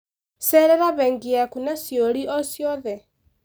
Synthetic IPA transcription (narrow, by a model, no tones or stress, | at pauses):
sɛɾɛɾaβɛːŋɡiakunasjoɾiʔɔsjɔðɛ